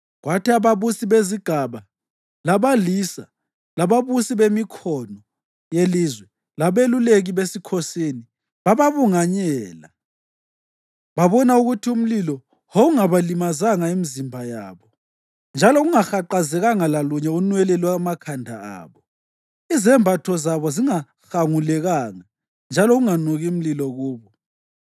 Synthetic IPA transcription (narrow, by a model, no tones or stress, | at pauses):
ɣwatiaβaβusiβeziɡ̥ʱaβa | laβalisa̰ | laβaβusiβemikʰɔnɔ | jelizwɛ | laβeluleɣiβesikʰɔseni | βaβaβuŋaɲɛːla | βaβɔnauɣutʰium̩lilɔ | houŋaβalimazaŋaimizimbʱaja̰ːβɔ | nd͡ʒʱalɔɣuŋaxaǃazɛɣaŋalaluɲɛunwɛlɛlwamakʰandʱaa̰ːβɔ | izɛmbʱatʰɔzaβɔziŋa | xaŋulɛɣaŋa | nd͡ʒʱalɔɣuŋanɔɣium̩lilɔɣuːβɔ